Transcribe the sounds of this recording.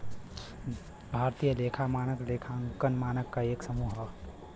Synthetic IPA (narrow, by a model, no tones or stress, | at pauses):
bʱaɾt̪ijəleːkʰamaːnəklekʰaŋkənmaːnəkːaeːksəmuɦə